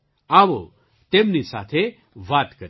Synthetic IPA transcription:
aʋo | t̪emnisa̰t̪ʰe | ʋat̪kəɾ

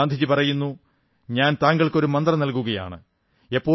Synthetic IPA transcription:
aːnd̪ʱit͡ɕipɐrɐjunːu | ɲaːnt̪aːŋɡɐɭko̞ɾumɐnd̪rɐnɐlkuɣɐja̰ːɳɨ | e̞pːo̞ː

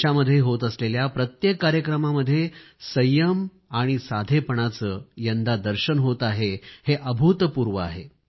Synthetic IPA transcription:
aməd̪ʱːjeɦot̪əsleljapɾət̪jekːaɾjəkɾəmaməd̪ʱːje | səjəm | aɽ̃isad̪ʱepəɳ̃at͡səːjənd̪ad̪əɾɕənɦot̪aɦeheʔəbʱut̪puɾʋəa̰ɦe

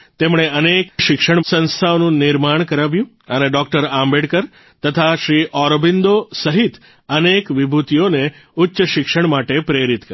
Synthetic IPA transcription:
t̪emɳ̃eənekʃɪkʃəɳsə̃nst̪ʰaʋnũnɪɾmaɳ̃kəɾaʋjũ | əneɖɔk̚ʈəɾãmbeɽkəɾ | t̪ət̪ʰaʃɾiʔɔɾbind̪osəɦit̪ | ənekʋibʱut̪ijone | ʊtːʃəʃɪkʃəɳ̃maʈepɾeɾit̪kə

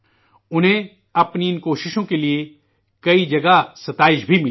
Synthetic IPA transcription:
ʊnɦẽ | ɐpniɪnkoːʃɪʃõkelie | kɐid͡ʒɐɡasɐt̪aːɪʃbʱimɪ

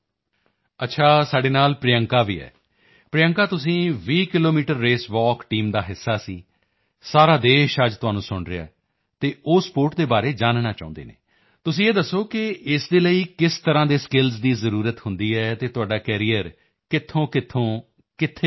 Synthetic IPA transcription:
ətːʃʰaːsaːɖeːnaːlpɾɪjəŋkaːʋiːɛ̰ː | pɾɪjəŋkaːt̪ʊs̬ĩːʋiːkɪloːmiːʈəɾːeːsʋɔːkʈiːmd̪aːɦɪsːaːsiː | saːɾaːd̪eːʃəd͡ʒt̪ʊaːnũːsʊɳɾea̰ː | t̪eːʔoːspoːɾʈ̚d̪eːbaːɾeːd͡ʒaːnnaːt͡ʃa̰ːʊ̃nd̪ḛːnḛː | t̪ʊsĩːeːd̪əsːoːkɪɪsd̪eːləiːkɪst̪əɾãːd̪eːskɪlzd̪iːzəɾuːɾət̪hʊnd̪iːɛːt̪eːt̪ʊaːɖaːkɛːɾiːəɾ | kɪt̪ʰːõːkɪt̪ʰːõː | kɪt̪ʰːeː

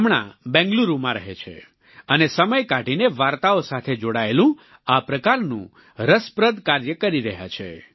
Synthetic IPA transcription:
mɳa̰bɛ̃ŋɡluɾumãɾəɦet͡ʃʰḛ | ənesəməjkaʈineʋaɾt̪aosat̪ʰed͡ʒoɽaelũ | apɾəkaɾnṵ̃ | ɾəspɾəd̪kaɾjəkəɾiɾəɦja̰t͡ʃʰḛ

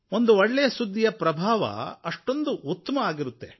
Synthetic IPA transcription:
o̞nd̪uɔɭːɛjɐsud̪ʱːijɐpɾɐbʱaːʋɐ̰ɐʂʈo̞nd̪uut̪ːɐmɐaːɡiɾut̪ːe̞

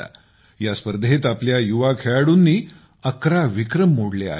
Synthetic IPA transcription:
a̰ | jaspəɾd̪ʱet̪apljajuʋakʰeɭaɽuːnːiː | əkɾaʋikɾəmːoɽlea̰

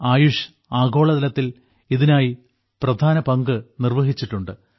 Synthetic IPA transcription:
aːjuʂ | aːɡo̞ːɭɐðɐlɐt̪ːil | iðinaːji | prɐd̪ʱaːnɐpɐŋɡɨnirʋɐɦit͡ɕːiʈːuɳɖɨ

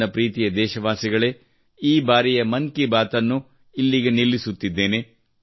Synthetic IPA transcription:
ɐpɾiːt̪ijɐd̪ɛːʃɐʋaːsiɡɐɭe | iːbaːɾijɐmɐŋkibaːt̪ɐnːu | ilːiɡe̞nilːisut̪ːid̪ːe̞ːne̞

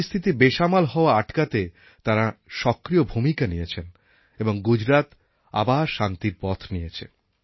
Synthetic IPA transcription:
ist̪ʰit̪̬ibeʃamalɦɔoaaʈkat̪e | t̪aɾaʃɔkɾijobʱumikanijet͡ɕʰen | eboŋɡud͡ʑɾat̪ | a̰baʃant̪iɾpɔt̪ʰnijet͡ɕʰḛ

